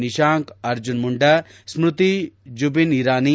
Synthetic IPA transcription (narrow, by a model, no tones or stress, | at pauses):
niʃaːŋkɐɾd͡ʒunmuɳɖɐ | smɾut̪id͡ʒubiniɾaːni